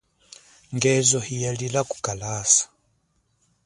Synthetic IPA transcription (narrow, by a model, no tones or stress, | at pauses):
ŋɡɛzɔhijalilaku̥kalaːsḁ